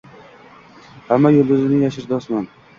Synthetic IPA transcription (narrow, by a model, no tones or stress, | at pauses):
hamːajolˠd̪ʊzɪnɪjaʃɪɾd̪ɒsman